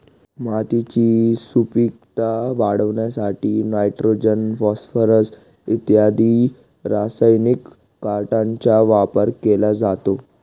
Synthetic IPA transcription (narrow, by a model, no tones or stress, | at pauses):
mat̪it͡ɕisupik̚t̪aʋaɽəʋɳjasaʈiːnajʈɾod͡ʑənfɔsfəɾəs | it̪jad̪i | ɾasajnikː | aɾʈaɲt͡ɕaʋapəɾkelad͡zat̪o